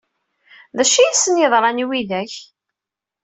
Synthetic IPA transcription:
ðæʃijisːənjeðˤɾˤɑniwiðæç

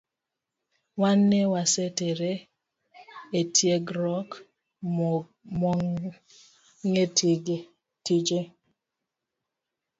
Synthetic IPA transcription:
wanːewaseteɾe | etjeɡɾɔk | mɔŋ | ŋetɡ | tid͡ʒe

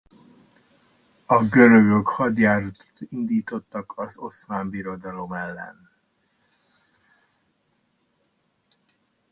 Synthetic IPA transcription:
ɒɡøɾøɡøkhɒd̪jaːɾt̪ind̪iːt̪o̞t̪ːɒkɒzo̞smaːmbiɾo̞d̪ɒlo̞mɛlːɛ̰n

